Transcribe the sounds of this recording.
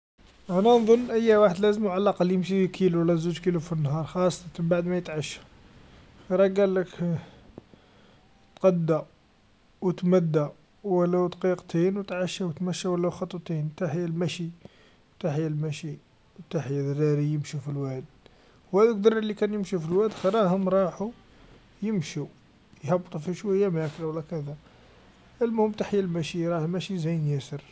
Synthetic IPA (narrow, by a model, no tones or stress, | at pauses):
ʔænænðˤonːʔəjːæwaħəd̪læzəmʕalʔɑqɑljəmʃikʰiluwlːæzuʒkilufinːhɑɾˤxɑsˤːɑt̪nbaʕd̪mæjət̪ʕaʃːḁ | ɾˤɑɡælːək | t̪qɑd̪ːa | wət̪mæd̪ːa | wəlːæwd̪qiqt̪ʰinwt̪ʕaʃawət̪mæʃːæwəlːæwxɑt̪ˤːt̪int̪aħəjːælmæʃi | wt̪aħjælmæʃi | wt̪aħjædɾɑɾijəmʃufilwæd̪̚ | whæd̪ək̚d̪ɑɾˤɑlːikænjəmʃufilwæd̪xɾˤɑhʊmɾˤɑħu | jəmʃu | jhɑbt̪ˤufiʃwæjːæmæklwəlːækæd̪æ | əlmʊhəmt̪aħjælmæʃiɾˤɑhlmæʃizæjənjæsəɾ